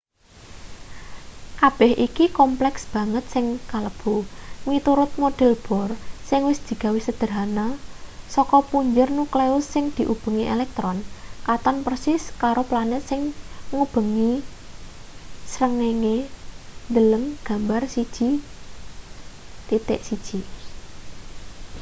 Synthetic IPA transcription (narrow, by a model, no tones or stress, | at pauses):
kab̥ɛhʔikikɔmplɛksb̥ä̤ŋət̪̚sɪŋkaləb̥o̤mit̪uɾʊt̪̚moɖ̥ɛ̤lb̥ɔ̤rsɪŋwɪsd̪̥i̤ɡ̥a̤wisəd̪̥əɾɦanasɔkɔpuɲd͡ʒʊrnukleʊsːɪŋd̪̥i̤ʔub̥ə̤ŋiʔelɛk̚t̪ɾɔnkat̪ɔnpərsɪskaɾoplanɛt̪sɪŋŋub̥ə̤ŋi | sɾəŋeŋe | nd̪ələŋɡ̥a̤mbarsid̥ʒ̥i | t̪it̪ɪ̰ʔsid̥ʒ̥i